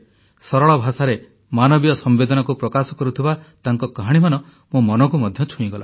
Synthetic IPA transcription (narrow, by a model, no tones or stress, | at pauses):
sɔɾɔɭɔbʱasaɾe | manɔbijɔsɔmbed̪ɔnɔkupɾɔkasɔkɔɾut̪ʰibat̪aŋkɔkaɦaɽ̃imanɔ | mũmɔnɔkumɔd̪ʱjɔt͡ʃʰũĩɡɔla